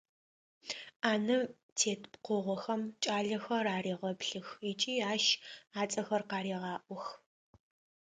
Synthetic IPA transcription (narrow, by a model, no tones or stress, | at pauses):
aːnɨ | tʰeːtpqʷʊʁʷɔxɐmt͡ʃʼaːɮɐxɐɾaːriːʁɐpɬɨxit͡ʃʼiːaːʃaːt͡sʼɐxɐrqɑːɾiːʁɑːʔʷɔx